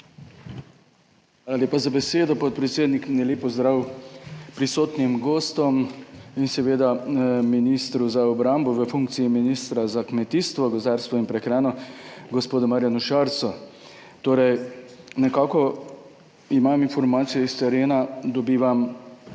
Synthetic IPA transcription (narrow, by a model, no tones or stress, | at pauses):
xʋaːlaleːpazabɛseːd̪ɔpɔt̪̚pɾɛt̪seːd̪nikmnɛleːpɔzd̪ɾaw | pɾisoːt̪nimɡoːst̪ɔminsɛʋeːd̪aminist̪ɾuzaɔbɾambɔʋəfuŋk̚t̪siiminist̪ɾazakmɛt̪iːst̪ʋɔɡɔzd̪aːɾst̪ʋɔinpɾɛkɾɛːnɔɡɔspoːd̪ɔmaɾjanuʃaɾt̪sɔ | t̪oːɾɛj | nɛkaːkɔ | imaminfɔɾmaːt̪sijɛist̪ɛɾeːnad̪ɔbiːʋam